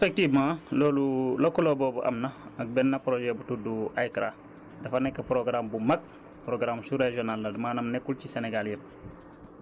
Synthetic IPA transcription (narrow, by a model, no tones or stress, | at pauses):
fek̚timãloːlulokːɔlobɔːbuʔɐ̰mnɐɐk̚bɛnːɐpɾoʒɛbutuduʔajkɾa | dɐfanɛkːɐpɾoɡɾambumɐk̚ | pɾoɡɾamsuɾeʒonalːɐdmaːnɐmnɛkːulciseneɡaljin